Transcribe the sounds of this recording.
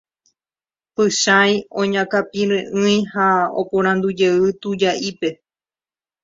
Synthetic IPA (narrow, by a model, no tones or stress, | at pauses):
pɨʃajõɲãkapĩɾẽʔɨ̃j̃hao̰põɾ̃ãnd̪ud͡ʒe̞ɨt̪ud͡ʒaʔipe̞